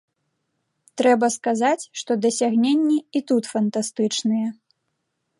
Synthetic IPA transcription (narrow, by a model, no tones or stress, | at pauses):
t̪ɾɛbɐskazat͡sʲʂt̪ɔd̪ɐsʲaɣnʲenʲːiit̪ut̪fɐnt̪ast̪ɨt͡ʂnɨjɛ